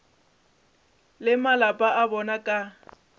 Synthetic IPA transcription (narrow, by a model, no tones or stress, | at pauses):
lɪmalapʼaʔabɔnakʼa